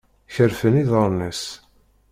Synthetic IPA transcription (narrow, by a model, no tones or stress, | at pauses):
çəɾfəniðəɾˤnəs